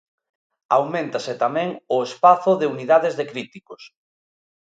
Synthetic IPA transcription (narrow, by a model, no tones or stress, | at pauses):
awmẽnt̪asɪt̪amɛ̃ŋʊespaθʊðeuniðaðezðekɾit̪ikos